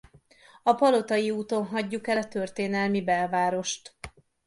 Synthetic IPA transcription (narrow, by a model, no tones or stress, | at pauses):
ɒpɒlo̞t̪ɒjiuːt̪o̞nɦɒɟːukɛlɒt̪ø̞rt̪eːnɛlmibɛlvaːɾo̞ʃt̪